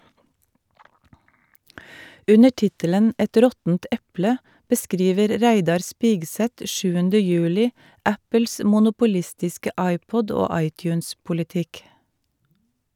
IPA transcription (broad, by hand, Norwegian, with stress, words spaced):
ˈʉnə ˈʈɪtələn ˈʔɛt ˈɾɔtn̩t ˈɛplə bəˈskɾiːʋəɾ ˈɾæɪdɑɾ ˈspiːɡˌsɛt ˈʃʉːəndə ˈjʉːlɪ ˈæpəls mʊnʊpʊˈlɪstɪskə ˈʔɑɪˌpɔd ˈoː ˈɑɪˌtjʉːnspʊlɪˌtɪk